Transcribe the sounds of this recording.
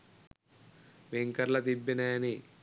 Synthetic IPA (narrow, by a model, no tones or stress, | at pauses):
ʋeŋkɐɾlɐt̪ibːineːɐni